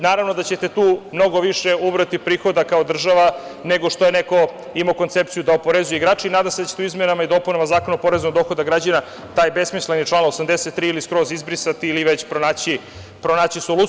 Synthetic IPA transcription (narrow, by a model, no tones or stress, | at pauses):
naːɾaʋno̞d̪at͡ɕe̞t̪e̞t̪uːmno̞ɡo̞ʋiʃeubɾat̪ipɾiːxo̞d̪akaod̪r̩ʒaʋane̞ɡo̞ʂt̪ojeneko̞ | imaːko̞nt̪se̞p̚t̪sijud̪aopoɾezujeiɡɾaːt͡ʃeinaːd̪amsed̪at͡ɕet̪uizmenamaid̪o̞punamazaːkonopo̞ɾeznoɡd̪oxo̞d̪aɡɾad͡ʑana | t̪aːjbe̞smislenit͡ʂlˠaːnosamd̪eset̪ːɾiːiliskɾo̞zizbɾisat̪iːliʋe̞t͡ɕpɾonaːt͡ɕi | pɾonaːt͡ɕisolu